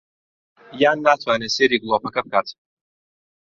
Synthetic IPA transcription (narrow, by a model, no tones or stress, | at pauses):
jaːnːaːt̪ʰwaːneseːɾiːɡlˠopɐkɐb̚kaːt̪